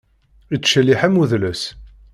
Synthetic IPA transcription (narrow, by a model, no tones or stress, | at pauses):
it͡sːʃəlːiħæmuðləs